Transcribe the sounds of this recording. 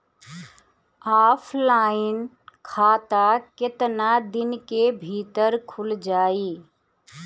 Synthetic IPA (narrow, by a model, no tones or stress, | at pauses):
aːpʰlaːɪn | kʰaːt̪akɪt̪nad̪ɪnkebʱiːt̪əɾkʰʊld͡ʒaːiː